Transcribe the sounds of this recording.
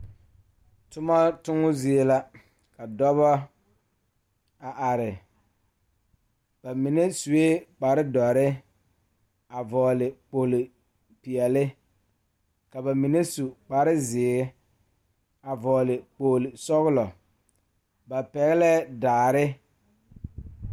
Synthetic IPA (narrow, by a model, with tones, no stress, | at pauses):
tʊ˦ma˦tʊ˦ŋʊ˦zɪ˦e˦la˦ | ka˨dɔ˦βɔ˦ | a˨ʔa˨ɾɪ˨ | ba˨mi˨ne˦su˨e˦k͡pa˨ɾɪ˦dɔ˨ɾɪ˦ | a˨vɔː˨lɪ˨k͡po˨lɪ˨ | pi˨ɛ˨lɪ˦ | ka˨ba˨mi˨ne˦su˨k͡pa˨ɾɪ˦zɪː˨ɪ˦ | a˨vɔː˨lɪ˨k͡po˨lɪ˨sɔ˦ɣʊ˦lɔ˨ | ba˨pɛ˨ɣɪ˦lɛ˦daː˨ɾɪ˦